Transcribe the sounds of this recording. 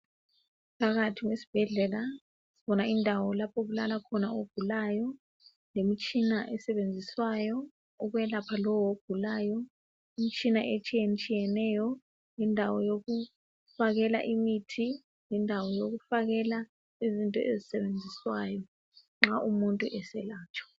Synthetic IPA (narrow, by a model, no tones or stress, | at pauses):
pʰaɣatʰiwesi̥b̥ʱɛɮɛla | siβɔnaindʱawɔlapʰoɣulalakʰɔnaoɡ̥ʱulaːjɔ | lemit͡ʃʼinaʔɛsɛβend͡zʱiswajɔ | ɔɣwɛlapʰalɔwwoɡ̥ʱulaːjɔ | imit͡ʃʼinaʔet͡ʃʼijɛnt͡ʃʼijɛnɛjɔ | ŋɛndʱawɔjoɣu | faɣɛla̰ʔimitʰi | ŋɛndʱawɔjoɣufaɣɛla | izintʼɔ̰ʔezisɛβend͡zʱiswa̰ːjɔ | ŋ͡ǁaʔumuntʼuʔɛsɛlaːt͡ʃʰʼɔ̥